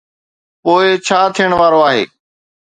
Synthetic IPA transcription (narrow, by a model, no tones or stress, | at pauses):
poːɪt͡ɕʰaːt̪ʰijəɽ̃ʋaːɾoaːɦḛː